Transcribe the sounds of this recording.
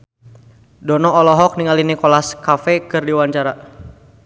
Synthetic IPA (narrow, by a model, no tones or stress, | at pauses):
dɔnɔːlɔɦɔk̚niŋalinikɔlaskafɛkɨrdiwaɲt͡ʃaɾa